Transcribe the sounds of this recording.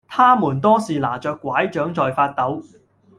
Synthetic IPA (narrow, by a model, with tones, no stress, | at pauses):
t̪ʰaː˥muː˨˩nt̪ɔː˥siː˨la̰ː˨˩t͡ʃœː˨˧kːwaː˨˥jt͡ʃœː˨˥ŋt͡ʃɔː˨jfaː˧t̚t̪ɐ˨˥w